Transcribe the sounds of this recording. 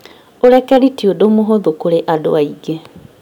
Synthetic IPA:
oɾɛkɛɾitiodomoɦoðokoɾeʔado̰aiɡe

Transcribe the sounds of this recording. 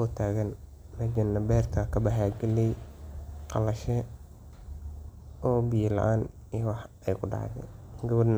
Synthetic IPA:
ɔːt̪ʰaːɣɐnː | ɐd͡ʒɐnːɐbɛːrt̪ʰɐkʰɐbɐħaːɡɛlɛj | qɑlɐʃɛ | ɔːbijɪlɐ̰ʔaːn | ijwɑħɛjkʰʊɖɑ̰ʕðɛ̰ɡɐβɔdn

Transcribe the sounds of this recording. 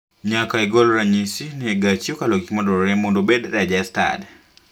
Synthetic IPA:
ɲakaɛɡolɾaɲisinɛɡat͡ʃiokaloɡikmɔdɔɾɾɛmondobedɾad͡ʒasta̰d

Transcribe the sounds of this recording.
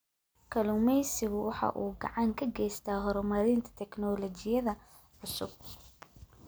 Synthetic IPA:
kʰɐlʊmɛjsɪɣʊwɑħɑ̰ːʔuːɡɐ̰ʕɑŋkʰɐɡɛjst̪ʰaːɦɔɾɔmɐɾɪnt̪ʰɐ̥t̪ʰɛknɔlɔt͡ʃɪjɐðɐ | ʕʊsʊb̚

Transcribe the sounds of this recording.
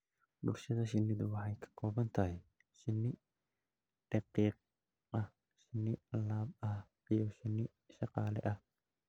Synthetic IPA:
bʊlʃɐðɐʃɪnːɪðʊwɑħɑjkʰɐ̥kʰɔːβɐnt̪ʰɐɦɛj | ʃɪnːɪ | ɖ̥ɑqiːq̚ | ʔɐh | ʃɪnːɪlaːb̚ɐh | ijʃɪnːɪ | ʃɑqɑːlɛ̰ʔɐh

